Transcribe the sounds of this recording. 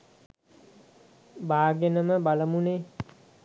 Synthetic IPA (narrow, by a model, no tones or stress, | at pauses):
baːɡenəməbaləmuneː